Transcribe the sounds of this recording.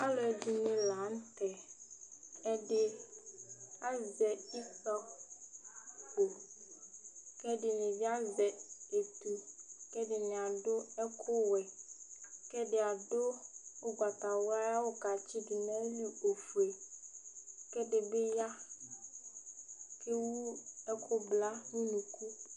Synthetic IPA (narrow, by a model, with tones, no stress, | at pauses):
a˦lɔ˨ɛ˨di˨nɪ̃˨la˨˦n̩˦t̪ɛ˨ | ɛ˦ɖɪ˦ | a˦zɛ˨i˦sa˦ | ko˨ | kɛ˦ɖɪ˨nɪ̃˨vi˦a˦zɛ˨e˨t̪u˨kɛ˦ɖɪ˨nɪ̃˨a˨ɖʊ˦ɛ˦kʰʊ˦wɛ˨ | kɛ˦ɖe˨a˨ɖo˦o˦ɡ͡ba˨t̪a˨wo˦a˦ja˦wo˦ka˨t͡ɕi˦di˨nɛ̃˦li˦o˨fu˨e˨ | kɛ˦ɖe˨be˦ja˦ | ke˦wu˦ɛ˦kʰo˦bla˦nũ˦nũ˨ku˦